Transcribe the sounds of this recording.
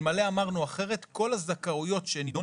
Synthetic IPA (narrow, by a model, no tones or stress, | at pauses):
maleamaʁnuaχe̞ʁe̞t̪ko̞lazakaujo̞tʃenido